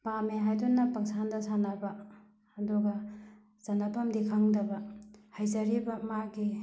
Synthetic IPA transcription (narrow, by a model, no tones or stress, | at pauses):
pameɦajdunːɐpɐŋsandɐsanabɐ | ɐdɔɡɐ | zɐnapʰɐmdikʰaŋdɐbɐhajzɐɾibɐmaɡi